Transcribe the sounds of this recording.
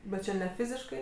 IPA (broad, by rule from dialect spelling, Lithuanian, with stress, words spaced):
bʲɛt ˈt͡ʃʲɛ nʲɛ ˈfʲɪzʲɪʃkɐɪ